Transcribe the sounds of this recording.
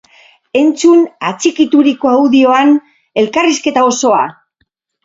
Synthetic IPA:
e̞nt͡sunat͡sikit̪uɾiko̞awðio̞an | e̞lkariske̞t̪ao̞so̞a

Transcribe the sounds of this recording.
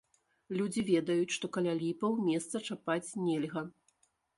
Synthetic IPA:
lʲud͡zʲivʲɛd̪ɐjut͡sʲʂt̪ɔkɐlʲalʲipɐwmʲɛst̪sɐt͡ʂapat͡sʲnʲɛlʲɣɐ

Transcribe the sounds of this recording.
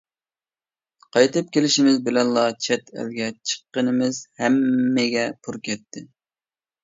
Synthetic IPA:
qʰɑjt̪ɨp̚kʲʰelɪʃɪmɪzbɪlɛnlˠɑt͡ʃʰɛt̪ʰɛ̰lɡʲɛt͡ʃʰə̥qːənɨmɪzhɛmːɪɡʲɛpʰuɾkʲʰɛt̪ʰːɪ

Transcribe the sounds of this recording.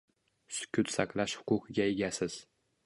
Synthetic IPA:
sʊ̥kʰʲʊt̪saqlˠaʃhʊ̥qʊqʰɨɡʲaeɡʲasɪz̥

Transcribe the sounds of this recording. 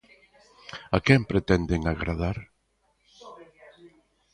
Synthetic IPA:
akɛmpɾet̪ɛnd̪eŋaɣɾaðaɾ

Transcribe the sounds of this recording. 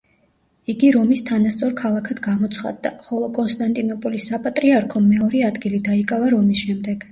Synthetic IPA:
iɡiɾɔmist̪ʰanast̪sʼɔɾkʰalˠakʰad̪ɡamɔt̪sʰχa̰d̪ːaχɔlˠɔkʼɔnst̪ʼant̪ʼinɔpʼɔlisːapʼat̪ʼɾiaɾkʰɔmɛɔɾiad̪ɡilid̪aikʼavaɾɔmisʃɛmd̪ɛɡ̥

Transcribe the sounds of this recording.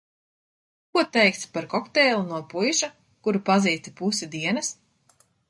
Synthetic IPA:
kuɔt̪ɛjk̚t̪sʲpaɾkɔkt̪ɛːlˠunuɔpujʃa | kuɾupaziːt̪ipusid̪iɛnɐs

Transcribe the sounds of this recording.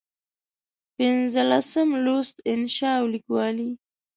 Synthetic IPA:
pɪnzəlasəmlost̪ɪnʃɑwlikwɑli

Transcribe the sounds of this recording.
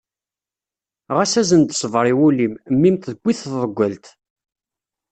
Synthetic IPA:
ʁæsæzənd̪sˤvɾˤiwulimmːimt̪ðəɡʷːiθððˤəɡʷːəlt̪

